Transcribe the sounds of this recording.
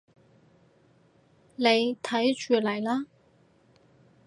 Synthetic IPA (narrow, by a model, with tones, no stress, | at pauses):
ne˨˧jt̪ʰɐ˨˥jt͡ʃyː˨lɐ˨˩jlaː˥